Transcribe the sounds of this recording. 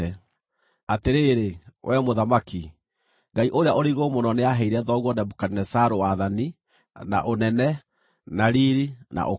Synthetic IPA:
ɛ | ateɾeɾewʔɛmoðamaki | ŋɡaiʔoɾeaʔoɾiɣomonɔneaɦɛiɾɛðɔɣwɔnɛbukaninɛsaɾowaðani | na̰ʔonɛnɛ | naɾiɾina̰ʔo

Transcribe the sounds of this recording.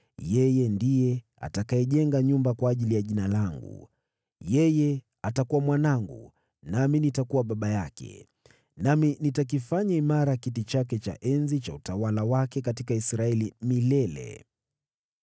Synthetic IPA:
jɛjɛndijɛ | a̰takaɛʄɛŋɡaɲumbakwaːʄilijaʄinalaŋɡṵ | jɛjɛ | atakuwamwanaŋɡṵ | naminitakuwaɓaɓajakɛ̰ | naminitak̬ifaɲaimaɾakitit͡ʃakɛt͡ʃa̰ʔɛnzit͡ʃautawalawakɛkatikaisɾaɛlimilɛlɛ̰

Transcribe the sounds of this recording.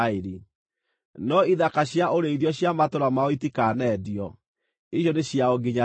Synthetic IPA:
eɾi | nɔiðakaɕjaoɾeiðjɔɕjamatoɾamaɔitikanɛdiɔ | iɕjɔneɕjaoɡeɲa

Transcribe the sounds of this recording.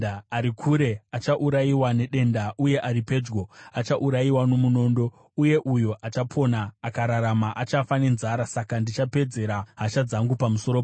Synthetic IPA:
aɾikʰuɾe̞at͡ʃaʔuɾaiwane̞ɗe̞ndaʔuje̞ʔaɾipe̞d͡ʒɡo̞at͡ʃaʔuɾajiwano̞muno̞ːndo̞ | uje̞ʔujo̞ʔat͡ʃapʰo̞naːkaɾaɾamaʔat͡ʃafane̞nzaɾasakandit͡ʃape̞d͡ze̞ɾaɦaʃad͡zaŋɡupamuso̞ɾo

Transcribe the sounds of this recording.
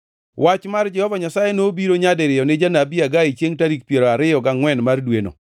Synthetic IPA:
wʔat͡ʃmard͡ʒɛhɔvaɲasajenobiɾoɲadeɾɪjɔnɪd͡ʒanabiaɡait͡ʃjeŋtaɾik̚pjeɾoaɾɪjɔɡaŋwɛnmardweno̰

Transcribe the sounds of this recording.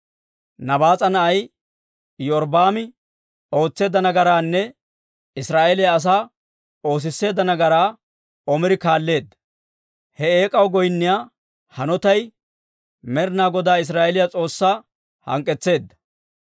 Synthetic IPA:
nɐbaːt͡sʼɐnɐʔɐj | jɔɾbaːmɪ | o̞ːt͡sːe̞ːd̪ːɐnɐɡɐɾaːnːɛ | ɪsɾaːʔɛlɪjaːs̬aː | o̞ːs̬ɪsːe̞ːd̪ːɐnɐɡɐɾaː | ɔmɪɾɪkaːlːe̞ːd̪ːɐ | hɛeːkʼɐwɡɔjnːɪjaː | hɐnɔt̪ɐj | mɛɾnaːɡɔd̪aːɪs̬ɾaːʔɛlɪjat͡sʼo̞ːsːaː | hɐ̰ŋkʼːɛt͡sːe̞ːd̪ːɐ̥

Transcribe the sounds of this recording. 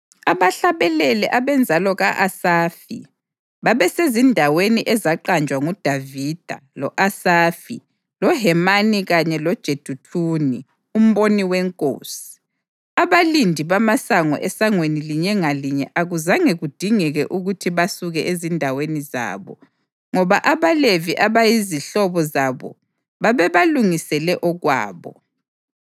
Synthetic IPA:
aβaɬaβɛlɛlɛʔaβɛnd͡zʱalɔɣaʔasaːfḭ | βaβɛsezindʱaweniʔɛzaǃant͡ʃʼwaŋud̥ʱavid̥ʱa̰lɔʔasaːfḭ | lɔɦɛmaniɣaɲɛlɔd̥ʒ̥ʱed̥ʱutʰuːni | um̩βoniwɛŋkʼo̰ːsi̥ | aβalindʱiβamasaŋɔ̰ʔɛsaŋweniliɲɛŋaliɲɛʔaɣuzaŋeɣud̥ʱiŋɛɣɛʔuɣutʰiβasuɣɛʔezindʱaweniza̰ːβɔ̰ | ŋɔβaʔaβaleviʔaβajiziɬɔβɔzaβɔ̰ | βaβɛβaluŋisɛlɛʔɔɣwa̰ːβɔ̰

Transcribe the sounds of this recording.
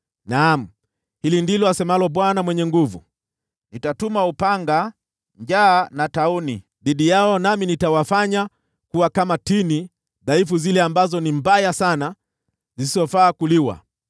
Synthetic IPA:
nam̩ | hilindilɔasɛmalɔɓwanamwɛɲɛŋɡuvṵ | nitatumaupaŋɡa | ɲd͡ʒaːnataunḭ | ðiɗijaɔnaminitawafaɲa | kuwakamatini | ðaifuzilɛambazɔnimbajasana | zisizɔfaːkuliwa̰

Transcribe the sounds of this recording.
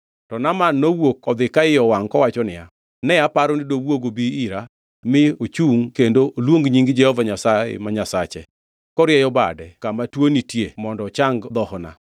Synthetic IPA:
tɔnamanːowokɔd̪ɪkaɪjɔwaŋkɔwat͡ʃɔnɪja | nɛapaɾɔnɪdowwoɡobiːɾa | mɪot͡ʃuŋkendoʔolwoŋɡɲiŋɡd͡ʒɛhɔvaɲasaḛmaɲasat͡ʃɛ̰ | kɔɾjɛjɔba̰dɛkamatwonitjemɔndɔt͡ʃaŋɡd̪ɔhɔna̰

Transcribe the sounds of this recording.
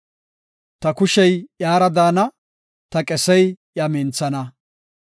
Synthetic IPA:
t̪ɐkʊʃɛjʔjaːɾɐd̪aːnɐ | t̪ɐkʼɛsɛj | jamɪnt͡sːɐnɐ

